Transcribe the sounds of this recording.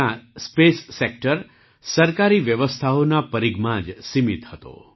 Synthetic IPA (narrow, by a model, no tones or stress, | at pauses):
aspesːek̚ʈəɾ | səɾkaɾiʋjəʋəst̪ʰaonapəɾiɡmãd͡ʒsimit̪hət̪o̰